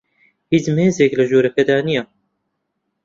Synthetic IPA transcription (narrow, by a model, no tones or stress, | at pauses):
hit͡smeːzeːklɐʒoːɾɐkɐd̪aːnija